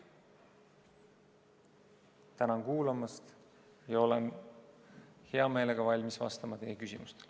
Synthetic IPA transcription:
t̪ænɑnkuːlɑmɑst̪ | jɑo̞len | he̞ɑmeːle̞ɡ̥ɑvɑlʲmisvɑ̰st̪ɑmɑt̪e̞ːekysʲimust̪el

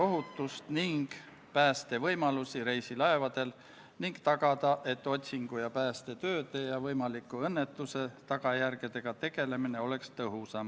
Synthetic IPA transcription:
o̞ɦut̪ːˑust̪niŋɡ̥ | pæːst̪e̞vɤjmɑlusiɾe̞jsilɑe̞vɑd̪̥e̞l | niŋɡt̪ɑɡ̥ɑd̪ɑʔe̞t̪ːˑo̞t̪ʲsiŋɡ̥ujɑpæːst̪e̞t̪ø̞ːt̪ejɑvɤjmɑlikːˑuɤnːe̞t̪ːˑuse̞t̪ɑɡɑjærɡed̪e̞ɡ̥ɑt̪e̞ɡ̥e̞le̞mine̞o̞le̞kst̪ɤɦusɑm

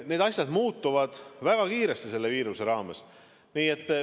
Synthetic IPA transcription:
ne̞ːd̪ɑsʲjɑd̪̥muːt̪ːuvɑd̪̥væɡ̥ɑkiːɾest̪ise̞lːe̞viːɾuse̞ɾɑːmes | niːe̞t̪ːˑ

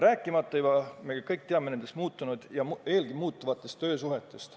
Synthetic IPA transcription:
ræːkːˑimɑt̪ːˑɑjubɑmeɡɑkɤjk̚t̪eɑmene̞nd̪̥esmuːt̪ːˑunud̪̥jɑme̞ːlɡ̥imuːt̪ːˑuvɑt̪ːˑe̞st̪ːø̞ːsuɦet̪ːˑest̪

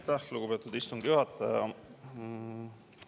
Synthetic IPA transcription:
jt̪ːæhluɡub̥e̞ːt̪ːˑud̪ist̪uŋɡ̥juhɑt̪ːˑɑjɑ̰

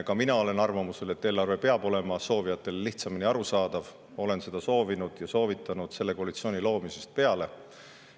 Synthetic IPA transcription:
kɑminɑo̞le̞nɑrvɑmuse̞le̞t̪ːe̞ːlːɑrve̞pe̞ɑb̥o̞le̞mɑso̞ːvijɑt̪ːˑe̞lliht̪sɑminiɑɾusɑːd̪̥ɑv | o̞le̞nse̞d̪ɑso̞ːvinud̪̥jɑso̞ːvit̪ʰːˑɑnud̪̥se̞lːe̞ko̞ɑlit̪sio̞ːnʲilo̞ːmise̥st̪̚pe̞ɑle̞

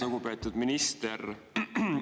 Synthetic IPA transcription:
noɡ̥upet̪ːˑud̪̥minist̪er

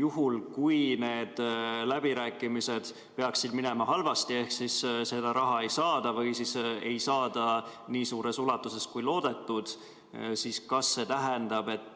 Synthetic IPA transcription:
juɦulkujne̞ːd̪̥læb̥iɾæːkːˑimise̞d̪̥ | peɑksid̪mine̞mɑhɑlvɑst̪ie̞hksisse̞d̪̥ɑɾʔɑɦɑe̞jsɑːd̪̥ɑvɤjsise̞jsɑːd̪̥ɑniːsuːɾe̞sulɑt̪ːˑuse̞skujlo̞ːd̪e̞t̪ːˑud̪̥ | siːskɑsːe̞t̪æɦend̪̥ɑb̥e̞t̪ːˑ

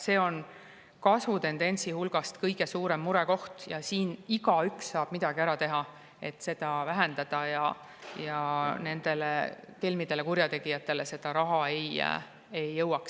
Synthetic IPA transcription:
se̞ːo̞n | kɑsvut̪e̞nd̪̥e̞nʲsihulɡ̥ɑst̪kɤjɡ̥e̞suːɾe̞mːuɾe̞ko̞ht̪jɑsiːniɡɑyksːɑːb̥mid̪̥ɑɡ̥iæɾɑt̪e̞ɦɑ | e̞t̪ːse̞d̪̥ɑvæɦend̪̥ɑd̪̥ɑjɑ | jɑne̞nd̪̥e̞lḛt̪elmid̪e̞le̞kuɾjɑt̪e̞ɡ̥ijɑt̪ːˑe̞le̞se̞d̪̥ɑɾɑɦɑej̰ | e̞jːɤwɑks

